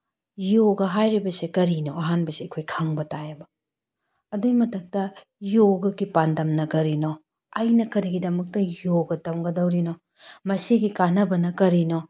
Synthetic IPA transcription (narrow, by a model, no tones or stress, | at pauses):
joɡɐɦajɾibɐsekɐɾinoɐɦanbɐseɐkʰojkʰɐŋbɐtajɐbɐ | ɐdomɐtʰɐk̚tɐ | joɡɐɡipandɐmnɐɡɐɾino | ɐjnɐkɐɾiɡidɐmɐk̚tɐjoɡɐtɐmɡɐdɐwɾino | mɐsiɡikanɐbɐnɐkɐɾino